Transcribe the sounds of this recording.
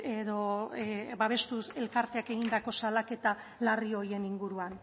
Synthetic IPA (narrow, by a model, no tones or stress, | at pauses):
eðo̞ | βaβ̞e̞st̪use̞lkaɾt̪e̞ake̞ɣind̪ako̞salake̞t̪a | larioje̞niŋɡuɾuan